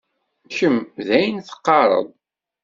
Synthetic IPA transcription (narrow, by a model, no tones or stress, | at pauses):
çəmðæjnθə̥qːɑɾˤə̰ðˤ